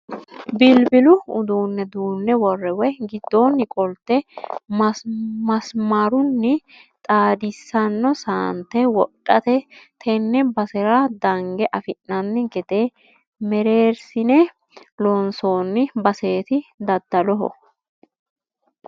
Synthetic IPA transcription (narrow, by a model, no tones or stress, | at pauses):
bɪlbɪlʊʊd̪uːnːɛd̪uːnːɛwɔrːɛwɛɡɪd̪ːoːnːɪkʼɔlt̪ːɛmɐmɐsmaɾʊnːɪ | t̪ʼaːd̪ɪsːɐnːɔsaːnt̪ːɛwɔtʼːɐt̪ɛt̪ʰɛnːɛbɐsɛɾɐd̪ɐŋɡɛʔɐfɪnːɐnːɪɡɛt̪e | mɛɾeːɾsɪnɛ | lɔnsoːnːɪbɐse̞ːt̪ɪd̪ɐd̪ːɐlɔɦɔ̰